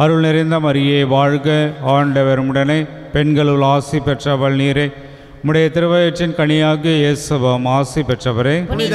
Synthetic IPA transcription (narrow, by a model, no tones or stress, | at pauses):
ɐɾɯɭnɪɾɐɪnd̪ɐmɐɾɪjɐɪʋaːɻɣɐaːɳɖɐʋɐɾɯmɯɽɐnɐɪ | pɛnɡɐɭɯɭaːsipɛʈrɐʋɐɭniːɾɐɪ | mʊɽɐjɐt̪ɪɾɯʋɐjɐʈːɪnkɐɳɪjaːɣɯeːsɐʋɐmaːsipɛʈrɐʋɐɾɐɪ